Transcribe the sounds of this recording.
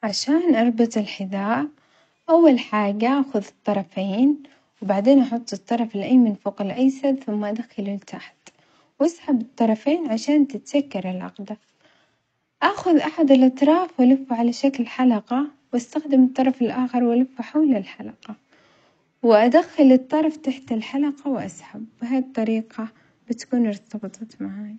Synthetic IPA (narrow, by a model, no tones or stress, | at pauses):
ʕaʃaːnʔɑɾˤbɪt̪ˤɪlħɪðaːʔ | ʔawːalħaːɡaʔaːxʊðɨt̪ˤːɑɾˤɑfeːn | wbaʕd̪eːnʔɑħʊt̪ˤːɨt̪ˤːɑɾˤɑflʔajmɪnfuqɪlʔajsabθʊmːaʔad̪axalɪlt̪ʰaħt̪ | wʔasħabɨt̪ˤːɑɾˤɑfeːnʕaʃaːnt̪ɪt̪sakːɑɾˤɪlʕɑ̰qd̪a | ʔaːxʊðʔaħad̪ɪlʔɑt̪ɾˤɑːfwʔalɪfːuʕalaʃaklħalɑqɑwʔast̪axd̪ɪmɨt̪ˤːɑɾˤɑfɪlʔaːxɪɾˤwʔalɪfːʊħawlɪlħalɑqɑ | wɪʔad̪axːɪlɨt̪ˤːɑɾˤft̪aħt̪ɪlħalɑqɑwʔa̰sħabːɪɦaːt̪ˤːɑɾiːqɑ | bɪt̪ḁkuːnʊɾˤt̪ɑbɨt̪ˤɑmaʕaːj